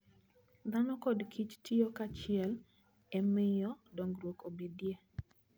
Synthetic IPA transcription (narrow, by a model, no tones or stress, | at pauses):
d̪anɔkɔdkʰit͡ʃtʰiokat͡ʃɪɛl | ɛmɪjɔdɔŋɡrwokobedje